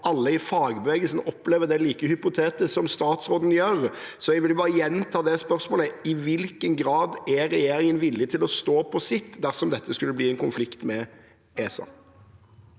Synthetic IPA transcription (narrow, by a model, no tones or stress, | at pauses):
ɑlːəɪfɑːɡbəʋɛɡəlsn̩ɔpːleːʋəd̪ɛliːkəhʏpʊt̪ʰeːt̪əsɔmst̪ɑːt̪sɾoːd̪n̩jøːɾsɔɛɡʋɪlbɑːɾəjɛnt̪ʰɑːd̪ɛspœɾsmoːləɪʋɪlkənɡɾɑːd̪ɛɾɛjeːɾɪŋənʋɪlːɪt̪ʰɪlɔst̪oːpʰɔsɪt̪ːd̪æʁsɔmd̪ɛt̪ʰːəskʉlːəbliːɛnkʊnflɪkt̪mɛ | eːsɑ̰